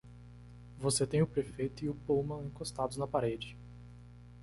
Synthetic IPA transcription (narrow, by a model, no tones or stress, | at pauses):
voset̪ẽj̃ʊpɾefejt̪ʊiʊpowmɐ̃ẽkost̪ad̪ʊznɐpaɾed͡ʒɪ